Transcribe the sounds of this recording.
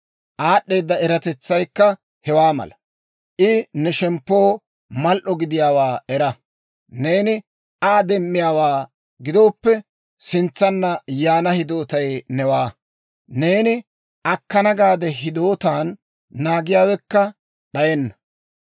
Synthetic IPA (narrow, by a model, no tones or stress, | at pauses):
ʔaːɗːe̞ːd̪ːɐɛɾɐt̪ɛt͡sːɐjkːɐ | hɛwaːmɐ̰lɐ | ʔɪnɛʃɛmpːo̞ː | mɐlʔɔɡɪd̪ɪjaːwaːɛɾɐ | ne̞ːnɪ | aːd̪ɛmːɪjaːwaː | ɡɪd̪o̞ːpːɛ | sɪnt͡sːɐnːɐjaːnɐhɪd̪o̞ːt̪ɐjnɛwaː | ne̞ːnɪ | ʔɐkːɐnɐɡaːd̪ɛɦɪd̪o̞ːt̪aːnː | aːɡɪjaːwɛkːɐ | ɗɐjɛnːɐ